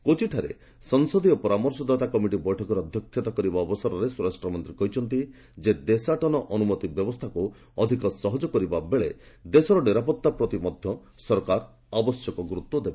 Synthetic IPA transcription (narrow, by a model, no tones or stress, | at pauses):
kot͡ʃʰiʈʰaɾḛ | sɔŋsɔd̪iɔpɔɾamɔɾsɔd̪at̪akɔmiʈibɔjʈʰɔkɔɾɔɔd̪ʱjɔkʰːjɔt̪akɔɾibaɔbɔsɔɾɔɾesuɾasʈɾɔmɔnt̪ɾikɔɦit͡ʃʰɔnt̪i | d͡ʒed̪esaʈɔnɔʔɔnumɔt̪ibjɔbɔst̪ʰaku | ɔd̪ʱikɔsɔɦɔd͡ʒɔkɔɾibabeɭed̪esɔɾɔniɾapɔt̪ːapɾɔt̪imɔd̪ʱjɔsɔɾkaɾ | abɔsjɔkɔɡɾut̪ːɔd̪ebe